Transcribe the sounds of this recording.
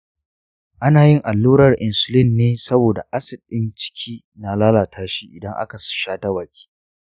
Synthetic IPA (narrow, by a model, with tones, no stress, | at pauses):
ʔa˦naː˨jɪ˦ŋʔa˨lːuː˦ɾɐ˨rʔɪ˨nsʊ˨lɪ˦nːeː˦sɐ˦boː˨da̰˨ʔa˦sɪ˨d̚ɗɪ˦nt͡ʃɪ̥˦kʲʰiː˦ | na˨laː˦laː˨tʰaː˦ʃiː˦ʔɪ˨dɐ˦ŋʔa̰˦ka˨sɪ̥˦ʃaː˦ta˦waː˨kʲi̥ː˦